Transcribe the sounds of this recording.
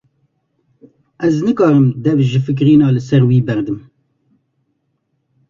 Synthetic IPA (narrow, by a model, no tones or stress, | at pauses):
ʔɛznɨkɑːɾɨmd̪ɛvʒɨfɨk̬ɾiːnɑːlɨsɛɾwiːbɛɾd̪ɨm